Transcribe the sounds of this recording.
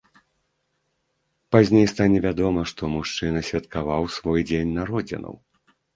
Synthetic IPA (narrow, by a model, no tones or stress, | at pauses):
pazʲnʲejst̪anʲɛvʲad̪ɔmɐʂt̪ɔmuʂt͡ʂɨnɐsʲvʲat̪kavawsvɔjd͡zʲenʲnaɾɔd͡zʲḭnɐ̰w